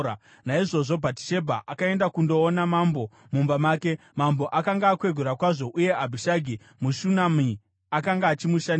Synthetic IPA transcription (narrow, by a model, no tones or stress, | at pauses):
a | naiʐo̞ʐo̞bʱati̥ʃe̞bʱa̰ʔakae̞ndakundo̞ːnamambo̞ | mumbamaːke̞ | mambo̞ʔakaŋɡaːkwe̞ɡʱuɾakwaʐo̞ʔuje̞ʔabʱiʃaɡʱi | muʃunami | akaŋɡaːt͡ʃimuʃan